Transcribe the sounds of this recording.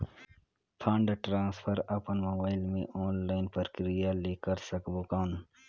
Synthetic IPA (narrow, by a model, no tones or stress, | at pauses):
pʰãːɳɖʈɾãːnspʰəɾɐpənmoːbaːɪlmḛ̃ʔoːnlaːɪnpɐɾkɾijaleːkəɾsɐkbokãːn